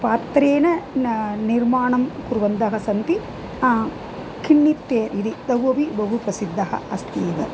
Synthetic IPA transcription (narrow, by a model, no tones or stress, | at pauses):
paːt̪ɾeːnɐ | niɾmaːɳɐmkuɾʋɐnd̪ɐɦɐsɐnt̪i | kʰiɳːit̪ːeːnid̪id̪ɐɦɐbibɐɦupɾɐsid̪ʱːɐɦɐ̰ɐst̪iːʋɐ